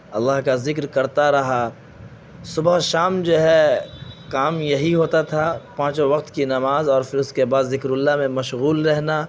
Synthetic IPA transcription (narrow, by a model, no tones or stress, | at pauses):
ɐlːaɦkazɪk̬ɾkɐɾt̪aɾɐɦa | sʊbəɦʃaːmd͡ʒoːɦɛ | kaːmjɐɦiɦoːt̪at̪ʰapãːt͡ʃõʋɐq̚t̪kinɐmaːzɔːɾfɪɾʊskebaːd̪zɪkɾʊlːamẽmɐʃɣuːlɾɛɦna